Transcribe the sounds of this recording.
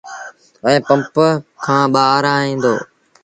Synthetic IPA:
ə̃ːpə̃mpəkʰãːɓaːɾaːɦĩːnd̪o̰ː

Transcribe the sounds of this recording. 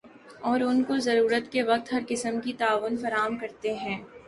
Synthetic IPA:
ɔːɾʊnkozɐɾuːɾət̪keʋɐq̚t̪ɦɐɾkɪsəmkit̪aːʋʊnfɐɾaːəmkɐɾt̪eɦɛ̃ː

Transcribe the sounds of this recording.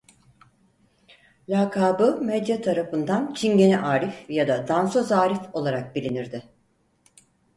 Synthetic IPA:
lʲaːkʰaːbɯmɛd̪jat̪ʰaɾafɯnd̪ant͡ʃʰinɟe̞nɛʔaːɾifjad̪ad̪ansozaːɾifo̞lˠaɾak̚bilʲiniɾd̪ɪ

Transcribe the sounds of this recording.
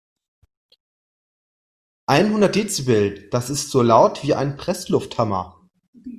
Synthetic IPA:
ʔaɪnhʊndɐt̚d̥eːt͡səbɪltd̥asɪstz̥oːlaʊtv̥iːa̰ɪnpʁ̥ɛslʊfthamɐ̰

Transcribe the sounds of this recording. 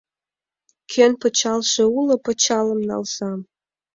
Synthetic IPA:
kʰenpət͡ɕɑlʃeulŏpə̆t͡ɕɑlə̆mnɑ̰lsɑ

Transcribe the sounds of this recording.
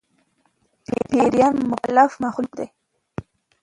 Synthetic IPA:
pḛpeɾjanːʊkalːafmaxʊlukd̪e

